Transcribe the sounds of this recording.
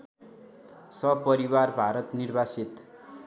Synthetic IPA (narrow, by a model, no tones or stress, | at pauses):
sʌbpʌɾiwarbʱaɾʌt̪nirbʱasit̪